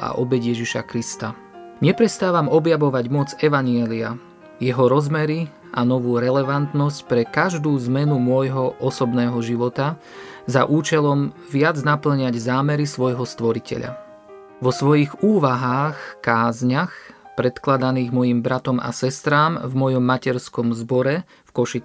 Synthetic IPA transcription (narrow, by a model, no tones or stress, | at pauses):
a̰ʔɔbɛɟjɛʒiʃa̰kɾist̪a | ɲɛpɾɛst̪aːʋamɔbjaʋɔʋaɟmɔd͡zɛʋaɲɪɛlia̰ | jɛɦɔɾɔzmɛɾi | anɔʋuːɾɛlɛʋant̪nɔscpɾɛkaʒd̪uːzmɛnumʊɔjɦɔʔɔsɔbnɛːɦɔʒiʋɔt̪a | zaʔuːt͡ʃɛlɔmʋɪad͡znapl̩ɲaɟzaːmɛɾisʋɔjɦɔst̪ʋɔɾicʰɛ̰ʎa̰ | ʋɔsʋɔjiɣuːʋaɦaːxkaːzɲaxpɾɛt̪klad̪aniːɣmɔjimbɾat̪ɔma̰sɛst̪ɾaːmvmɔjɔmːacɛɾskɔmzbɔɾɛ | fkɔʃi